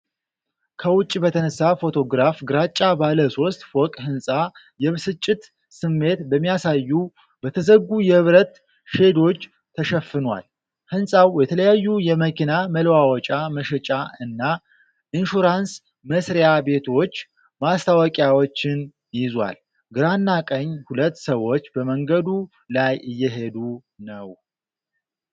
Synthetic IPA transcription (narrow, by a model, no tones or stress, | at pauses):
kʰəwʊt͡ʃʼːibət̪ʰənəsːafo̞t̪ʰo̞ɡɾafɡɨɾat͡ʃʼːabaləso̞st̪ʼfɔkʼhɨnsʼa | jɛβsɨt͡ʃʼːɪt̪ | sɨmːe̞t̪bəmːijasajːu | bət̪ʰəzəɡːujɛhɨβɾət̪ | ʃe̞d̪o̞t͡ʃː | t̪ʰːəʃɛfːɨnwa̰l | hɨnsʼawjɛt̪ʰələjajːujɛməkʰinaməlwawɔt͡ʃʼaməʃɛt͡ʃʼaɨnːa | ɨnʃuɾans | məsɾejabe̞t̪ʰo̞t͡ʃː | mast̪ʰawɔkʼjawot͡ʃːɪn | jɪzwa̰l | ɡɨɾanːakʼəɲːhulət̪ːsəwːo̞t͡ʃːbəməŋɡəd̪u | lajʔɨjːɛɦe̞d̪u | nəw